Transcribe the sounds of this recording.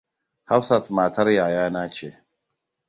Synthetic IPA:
ha˦wsa˦˨tma˨ta˦ɾja˨jaː˦na˦t͡ʃe˨

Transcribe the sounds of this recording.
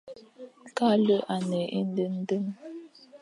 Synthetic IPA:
ka˦lə˦ʔa˨nɛ˨ʔe˦n˦də˦n̩˦də˦m

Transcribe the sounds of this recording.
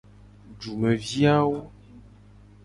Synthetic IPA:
d͡ʒu˨mə˨vi˦a˦wo˦

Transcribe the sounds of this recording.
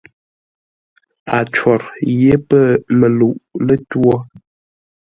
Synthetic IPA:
a˨t͡ʃwɔ˨ɾje˦pə˦˨mə˨lu˨ʔlə˦twɔ˦

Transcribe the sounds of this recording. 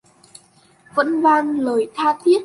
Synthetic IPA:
və̰˧˥nvaː˧nləː˨˩jt̪ʰaː˧t̪ʰi˦˥ət̚

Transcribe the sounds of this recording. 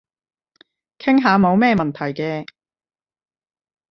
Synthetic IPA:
kʰɪ˥ŋɦaː˨˧mo˨˧wmɛː˥˧mɐ˨nt̪ʰɐ˨˩jkɛː˧

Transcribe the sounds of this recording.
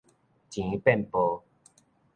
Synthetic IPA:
t͡ɕĩ˨˦pɛ˥˨npo˧

